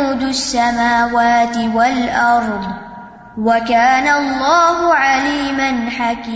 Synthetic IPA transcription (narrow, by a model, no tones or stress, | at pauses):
uːd̪ʊsːamaːwaːt̪ɪwalʔɑɾˤd̪ˤ | wakaːnalˤːaːhʊʕaliːmanħakiː